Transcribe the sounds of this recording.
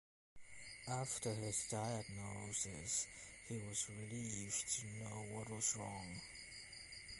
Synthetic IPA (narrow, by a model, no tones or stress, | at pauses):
æftʰə˞ɪzdaɪəɡ̚noʊsɪ̰shiwʌzɹɪliftʰɨnoʊwʌt̚wʌzɹɔ̃ŋ